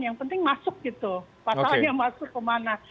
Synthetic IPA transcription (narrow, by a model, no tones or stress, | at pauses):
jaŋpənt̪ɪŋmasʊk̚ɡ̥it̪u | paasjamasʊkːəmanah